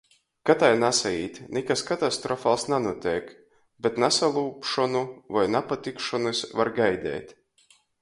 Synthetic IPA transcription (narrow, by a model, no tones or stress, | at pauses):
kat̪ajnasaiːt̪ʲnʲɛkaskat̪ast̪ɾɔfalˠsnanuɔt̪ʲɛjk | bʲet̪nasalˠuːpʃɔnuvajnapat̪ikʃɔnɨsvaɾɡajd̪ʲɛ̰ːt̪ʲ